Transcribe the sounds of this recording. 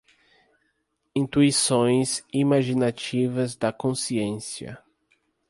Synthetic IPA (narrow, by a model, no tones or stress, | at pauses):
ĩnt̪uisõj̃zimaʒinat͡ʃivɐzd̪ɐkõsiẽsiɐ̰